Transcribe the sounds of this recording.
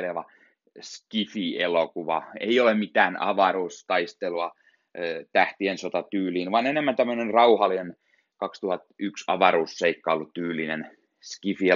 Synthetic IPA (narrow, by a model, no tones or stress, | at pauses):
leʋɑ | skifielokuʋɑ̰ḛiolemmit̪æːnɑ̰ʋɑruːst̪ɑist̪eluɑ | t̪æht̪iensot̪ɑt̪yːliːnʋɑnenemːænt̪æmːønenrɑuhɑlːinen | kɑkst̪uhɑt̪yksɑ̰ʋɑɾuːsːeikːɑolːut̪tyːlːˑinen | skifie